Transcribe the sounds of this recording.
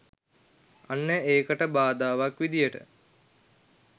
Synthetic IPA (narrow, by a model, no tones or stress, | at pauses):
anːəeːkəʈəbaːd̪aːʋakʋid̪ijəʈə̰